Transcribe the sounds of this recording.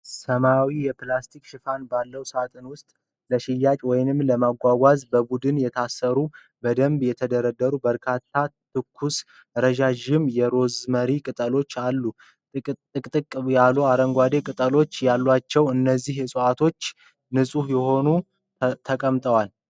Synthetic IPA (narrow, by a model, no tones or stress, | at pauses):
səmawijɛplast̪ʰikʃɪfanbalːəwsat̪ʼɨnwʊst̪ʼ | ləʃɪjːat͡ʃʼwɔjnɨmləmaɡʷaɡʷazbəbud̪ɨnjɛt̪ʰasːəɾu | bəd̪əmbjɛt̪ʰəd̪əɾəd̪ːəɾubəɾkʰat̪ʰːat̪ʰɨkʰːus | ɾəʒaʒɪmjɛɾo̞zməɾikʼɨt̪ʼəlo̞t͡ʃːalːu | ɨkʼt̪ʼɨkʼːjaluaɾəŋɡʷad̪e̞kʼɨt̪ʼəlo̞t͡ʃːjalːwat͡ʃːɛwɨnːəzːihjɛsʼoat̪ʰo̞t͡ʃː | nɨsʼuhjɛho̞nu | t̪ʰəkʼəmt̪ʼəwal